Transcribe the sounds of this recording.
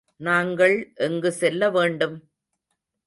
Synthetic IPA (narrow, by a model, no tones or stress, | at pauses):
naːŋɡɐɭʔɛŋɡɯsɛlːɐʋeːɳɖɯm